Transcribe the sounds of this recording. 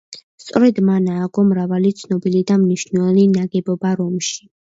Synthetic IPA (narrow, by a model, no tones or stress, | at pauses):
st̪sʼɔɾɛd̪manaːɡɔmɾavalit̪sʰnɔbilid̪amniʃnwɛlinaɡɛbɔbaɾɔmʃi̥